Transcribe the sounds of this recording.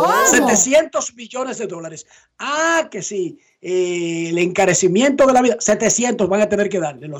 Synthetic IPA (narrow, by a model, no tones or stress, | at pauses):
set̪esje̞nt̪o̞zmiʝo̞ne̞zðe̞ðo̞laɾes | ake̞si | eleŋkaɾe̞simje̞nt̪oðe̞laβiðase̞t̪e̞sje̞nt̪o̞sβaŋat̪e̞ne̞ɾkeðaɾlelo